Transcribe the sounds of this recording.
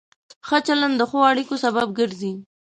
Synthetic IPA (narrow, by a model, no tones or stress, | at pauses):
xat͡ʃaland̪əxoaɽikosabab̚ɡəɾzi